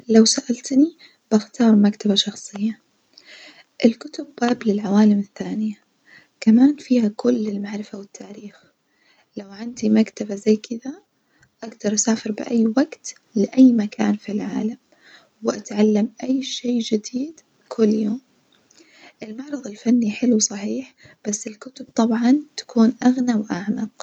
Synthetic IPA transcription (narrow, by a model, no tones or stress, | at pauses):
lawsaʔalt̪ni | b̥axt̪ɑːɾˤmakt̪abaʃɑxsˤɨjːa | ʔɪlkʊt̪ʊbːaːblɪlʕawaːlɪmɪθːaːnɪja | kamaːnfiːhakʊlːɪlmaʕɾɪfawɪt̪ʰːaːɾiːx | lawʕand̪imakt̪abazajːkʰɪd̪a | ʔaɡd̪ɑɾˤʔasaːfɪɾbɪ̰ʔajːwaɡt̪ | lɪʔajːmaka̰ːnfilʕa̰ːlam | wɪʔat̪ʕalːamʔajːʃeːd͡ʒɪd̪iːd̪ | kʰʊlːjoːm | ʔɪlmɑʕɾˤɑðˤɪlfanːiħɪlwsˤɑħiːħ | b̥asːɪlkʊt̪ʊb̚t̪ˤɑbʕɑnt̪ḁkuːnʔaɣnawʔaʕmɑq